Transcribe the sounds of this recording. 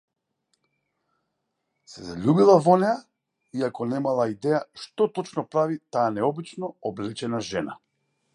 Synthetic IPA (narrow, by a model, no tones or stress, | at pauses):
sɛzaʎubilˠavɔnɛja | iakɔnɛmalˠaid̪ɛjaʃt̪ɔt̪ɔt͡ʃnɔpɾavit̪aːanɛɔbit͡ʃnɔɔblɛt͡ʃɛnaʒɛna̰